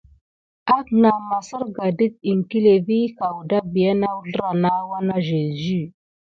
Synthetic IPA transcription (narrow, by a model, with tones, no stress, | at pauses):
a˦kna˨ma˨sə˦ɾɡa˨di˦t̚i˨ŋki˦le˨vi˦ka˨wu˨da˦bi˨ja˦na˦wu˦ɮə˦ɾa˨na˦wa˦na˦ʒe˨zy˦˨